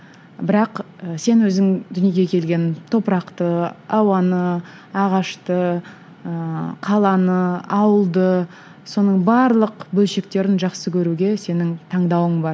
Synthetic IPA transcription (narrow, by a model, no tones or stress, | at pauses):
bɪɾɑq | əse̞nwɵzɪŋd̪ʏnje̞ɡʲe̞kʲʰe̞lɡʲe̞nt̪ʰo̞pəɾɑqt̪əɑwɑnə | ɑʁɑʃt̪ə | əqʰɑlˠɑnəɑwəlˠd̪ə | so̞nəɴbɑɾlˠəqbɵlʃe̞k̚t̪e̞ɾɪnʒɑqsəkʲʰɵɾuɡʲe̞se̞nɪŋt̪ʰɑɴd̪ɑwəɴbɑɾ